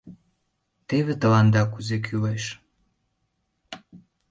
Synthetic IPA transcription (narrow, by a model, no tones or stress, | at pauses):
t̪eβĕt̪ə̆lɑnd̪ɑkuzek̬ʰyleʃ